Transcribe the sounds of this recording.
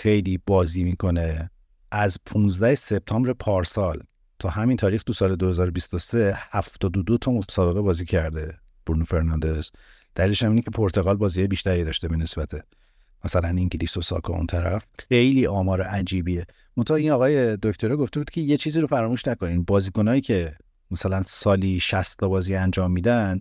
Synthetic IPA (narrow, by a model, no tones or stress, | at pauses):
xe̞jliːbɒːziːmiːkʰo̞ne̞ | ʔæzpʰũnzd̪æhese̞b̚t̪ʰɒːmbɾepʰɒːɾsɒl | t̪ʰɒːhæmint̪ʰɒːɾiːxt̪usɒːle̞d̪ohe̞zɒːɾobist̪ose̞hæft̪ɒːd̪od̪ot̪ʰɒːmosɒːbe̞ɣe̞bɒːziːcʰæɾd̪e | b̥uɾnufe̞ɾnɒnd̪e̞z̥ | d̪̥æliːleʃæmiːnekcʰe̞pʰoɾt̪ʰe̞ɣɒːlbɒːziːhɒjbiʃt̪æɾiːd̪ɒʃt̪e̞bene̞sbæt̪ʰe | mæsælæniŋcʰelisosɒ̰kʰɔ̰ṵnt̪ʰæɾæfxejliːʔɒːmɒːɾeʔæd͡ʒiːbiːe | mont̪ʰɒhinɒːɣɒːjed̪oct̪ʰo̞ɾɛɡo̞ft̪ebuːd̪̚cʰe̞je̞t͡ʃʰiːziːɾo̞fæɾɒːmuːʃnæko̞ninbɒːziːko̞nɒːjiːcʰe̞ | mæsælænsɒːliʃæst̪ʰːɒbɒːziːænd͡ʒɒːmːiːd̪æn